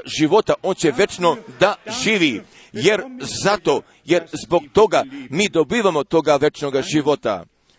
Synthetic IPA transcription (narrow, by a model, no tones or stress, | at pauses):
ʒiʋo̞t̪aʔo̞ːnt͡ɕe̞ʋe̞t͡ʃno̞d̪aʒiːʋi | jeɾzat̪o̞ | je̞ɾzbo̞ɡ̚t̪o̞ɡamiːd̪o̞biːʋamo̞t̪o̞ɡaʋe̞t͡ʃnoɡaʒiʋo̞t̪a̰